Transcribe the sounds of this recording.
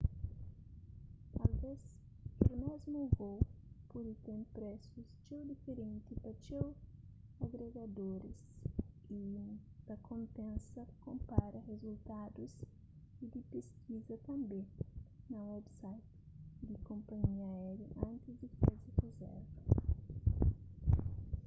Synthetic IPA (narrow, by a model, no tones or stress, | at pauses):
t̪alves | eɾmezmuvowpud̪it̪ẽnpɾɛsust͡ʃewd̪ifeɾẽnt̪ipɐt͡ʃew | ɐɡɾeɡɐd̪oɾis | id̪ɐkʰõnt̪ẽnsɐkõmpaɾɐhezult̪ad̪us | id̪ipeskizɐt̪ɐ̃mbẽnɐwebsajt̪ | d̪ikõmpɐɲiɐɛɾjɐʔɐ̃nt̪izd̪ikfesifizɛ̰ɾvɐ